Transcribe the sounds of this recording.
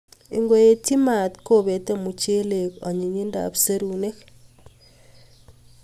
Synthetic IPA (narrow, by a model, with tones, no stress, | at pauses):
i˨ŋɡo˦je˨ti˦ma˨t̪ko˦βe˨te˦mu˨t͡ʃe˦le˨ko˨ɲi˨ɲi˦nda̰˨βu˨se˦ɾu˨ne˦k